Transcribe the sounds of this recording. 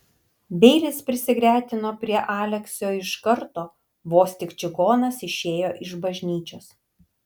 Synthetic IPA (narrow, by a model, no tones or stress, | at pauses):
bʲɛɪlʲɪspʲɾʲɪsʲɪɡɾʲæːt̪ʲɪnoːpʲɾʲiɛʔɑːlʲɛksʲoːɪʃkɐɾt̪oː | ʋoːsʲt̪ʲɪkt͡ʃʲɪɡoːnɐsɪʃʲeːjoːʔɪʒbɐʒʲnʲiːt͡ʃʲoːs